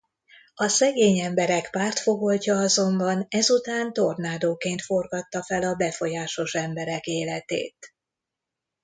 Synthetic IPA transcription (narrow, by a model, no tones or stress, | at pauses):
ɒsɛɡeːɲɛmbɛɾɛkpaːrt̪fo̞ɡo̞lcɒɒzo̞mbɒnɛzut̪aːnt̪o̞rnaːd̪oːkeːnt̪fo̞rɡɒt̪ːɒfɛlɒbɛfo̞jaːʃo̞ʃɛmbɛɾɛkeːlɛt̪ḛːt̪